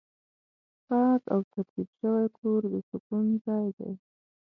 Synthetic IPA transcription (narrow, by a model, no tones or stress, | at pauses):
xɑk̪awt̪aɾtibʃəwajkʰoɾd̪əsʊkunzɑjd̪a̰j